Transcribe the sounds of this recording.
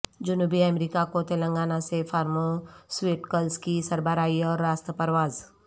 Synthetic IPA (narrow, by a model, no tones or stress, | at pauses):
d͡ʒʊnuːbiamɾiːkakot̪elə̃ŋɡaːnasefʰaːɾmosweːʈkəlskisɐɾbəɾaːiɔːɾːaːst̪əpɐɾʋaːz